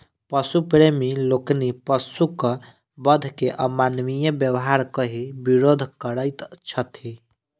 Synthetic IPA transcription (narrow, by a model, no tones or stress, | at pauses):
pəsupɾemiloknipəsukə | bəd̪ʱkeʔəmanʋijəbjəwɦaɾkəɦibiɾod̪ʱkəɾəɪt̪t͡ʃʰət̪i